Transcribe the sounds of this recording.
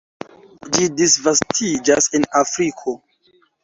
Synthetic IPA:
d͡ʒidisvastʰid͡ʒasenafɾikʰo̞

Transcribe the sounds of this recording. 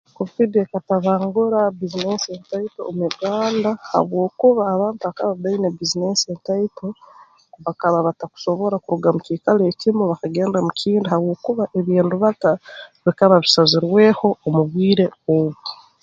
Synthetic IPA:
kofidekataβaːŋɡuɾabizinesentaitoːmuiɡaːndaha̰βwo̞ːkuβaːβaːntuβakaβaβainebizinesentaito | βakaβaβataku̥so̞βo̞ɾakuɾuɡamuciːkaleːcimuβakaɡe̞ːndamucʰiːndihaβwo̞ːkuβaʔe̞βiːnduβataβikaβaβisaziɾwe̞ːho̞omuβiːɾe̞oβu

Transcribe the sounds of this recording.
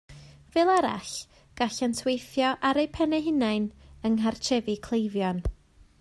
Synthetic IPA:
vɛːlˠaɾa̰ɬ | ɡ̥aɬantʰwejθjɔʔaɾejpʰɛnɛɦɪnajnəŋɦart͡ʃʰɛvikʰlˠejvjɔn

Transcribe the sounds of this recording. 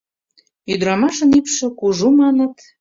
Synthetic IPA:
yd̪ɾɑmɑʃə̆nipʃə̆kuʒumɑnə̆t̪

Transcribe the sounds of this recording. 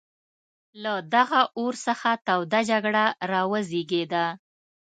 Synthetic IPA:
lad̪aɣaʔoɾsəxat̪awd̪ad͡ʒaɡɽaɾɑwəzeɡed̪a

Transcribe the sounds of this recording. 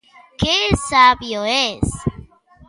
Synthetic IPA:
kesabjoes

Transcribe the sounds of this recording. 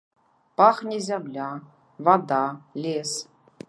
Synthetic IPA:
paχnʲizʲamlʲa | vad̪alʲes

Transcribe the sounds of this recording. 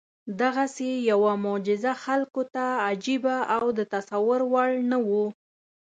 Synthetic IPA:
d̪aɣasejawamʊd͡ʒɪzaxalkot̪aːd͡ʒibaʔawd̪ət̪asawʊɾwaɭnawu

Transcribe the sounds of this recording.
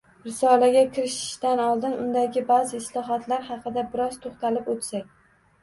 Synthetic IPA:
ɾɪsɒlaɡʲakʲʰɪɾɪʃɪ̥ʃd̪anɒlˠd̪ɪnʔʊnd̪aɡʲɪbazɪɪslɒɦɒt̪ʰlaɾhɑqʰɨd̪abɪɾɒz̥t̪ʰoχt̪alɪpot̪sakʲ

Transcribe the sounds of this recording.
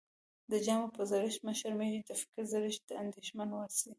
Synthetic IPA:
d̪əd͡ʒɑmopəzaɾɪʃməʃaɾmeʒit̪afɪ̥kɪzaɾɪʃd̪̥əand̪eʃmanwasi

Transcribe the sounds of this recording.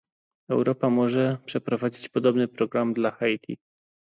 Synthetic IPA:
ɛwɾɔpamɔʐɛpʂɛpɾɔvad͡ʑit͡ɕpɔd̪ɔbnɘpɾɔɡɾamd̪laxajt̪ʲʰḭ

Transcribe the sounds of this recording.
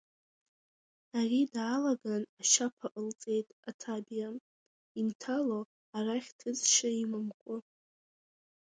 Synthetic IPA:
aridaːlaɡanaʃapʰaʔəlt͡sʼe̞jtʼatʰabja | intʰalo | araχʲtʰɨt͡sʼʃaimɨmkʷʼʊ

